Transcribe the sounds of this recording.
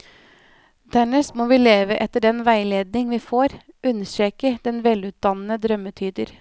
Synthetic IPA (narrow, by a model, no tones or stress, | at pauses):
d̪̥æɳəsmɔʋɪːleːʋəʔɛt̪ːəɖɛnʋæɪleːd̪nɪŋʋɪːfoːɾ | ʔʉnʃɛːkəd̪ɛnʋɛlʉːt̪̚d̪ɑnənəd̪ɾœmːət̪ʰyːd̪əɾ